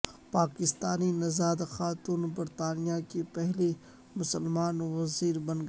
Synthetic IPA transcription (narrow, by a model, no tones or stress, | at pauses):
paːkɪst̪aːninɐzaːd̪xaːt̪uːnbɐɾt̪aːnijakepɛɦle | mʊsəlmaːnʋɐziːɾbɐ̃nɡ